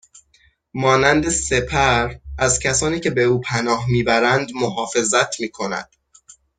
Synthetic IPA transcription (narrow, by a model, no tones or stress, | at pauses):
mɒːnænd̪e̞se̞pʰæɾæzcʰæsɒːniːcʰe̞be̞uːpʰænɒːɦmiːbæɾænd̪moɦɒːfe̞zæt̪ʰmiːkʰo̞næ̰d̪̥